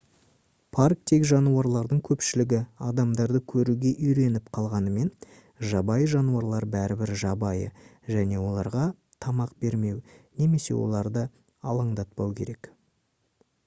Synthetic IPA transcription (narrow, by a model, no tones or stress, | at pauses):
pʰark̚t̪ʰe̞kʒɑnuɑɾlˠɑɾd̪əɴkʲʰɵpʃɪlɪɡʲɪɑd̪ɑmd̪ɑɾd̪əkʲʰɵɾuɡʲe̞ʔʏjɾe̞nɪpqʰɑlˠʁɑnəme̞n | ʒɑbɑjʒɑnuɑɾlˠɑɾbæɾɪbɪɾʒɑbɑjə̰ | ʒæne̞wo̞lˠɑɾʁɑ | t̪ʰɑmɑqbe̞ɾme̞wne̞me̞se̞̰wo̞̰lˠɑɾd̪ə | ɑlˠɑɴd̪ɑt̪̚pɑwkʲʰe̞̰ɾe̞k